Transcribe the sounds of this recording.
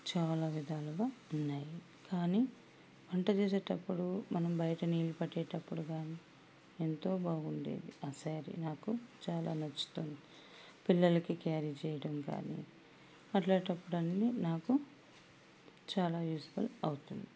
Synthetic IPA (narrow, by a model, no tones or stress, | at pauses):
t͡ʃaːlaːʋid̪ʱaːluɡaːunːaːji | kaːni | ʋɐɳʈɐt͡ʃeːseːʈɐpːuɽumɐnɐmbɐjɐʈɐniːlipɐʈːɛːʈɐpːuɽuɡaːniː | ent̪o̞ːbaːɡuɳɖḛːd̪iɐːsaːɾḭnaːkut͡ʃaːla̰ːnɐt͡ʃːu̥t̪oːnd̪i | pilːɐlɐkikaːɾit͡ʃɛːjɐɽɐmka̰ːnḭ | ɐʈlaːʈɐpːuɽɐnlinaːku | t͡ʃaːlaːjuːd͡ʒɐʋɐlɐwut̪und̪i